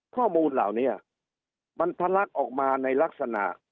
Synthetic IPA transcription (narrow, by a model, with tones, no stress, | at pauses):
kʰɔː˥˩muː˧nlaː˨˩wni˦˥˩ɐ | ma˧np̪ʰa˧la˦˥k̚ʔɔː˨˩k̚maː˧na˧jla˦˥k̚sa˧na̰˨˩ʔ